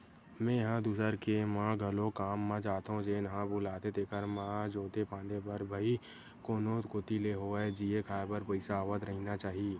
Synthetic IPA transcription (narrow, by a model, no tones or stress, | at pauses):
mɛ̃ːjɦãd̪uːsəɾkemãːɡʱəlõkaːmːãd͡ʒaːt̪õd͡ʒeːnəɦãbʊːlaːt̪et̪eːkəɾmãːd͡ʒoːt̪epãːnd̪epəɾbʱəi | koːnoːt̪koːt̪ileɦoed͡ʒiekʰaːbəɾpəɪsaːʋət̪ɾəɦinat͡ʃaːɦieː